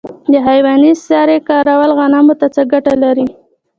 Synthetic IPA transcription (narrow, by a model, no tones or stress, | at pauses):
d̪əɦajwɑnisɑɾekɑɾawalɣanɑmot̪at͡səɡaʈalaɾi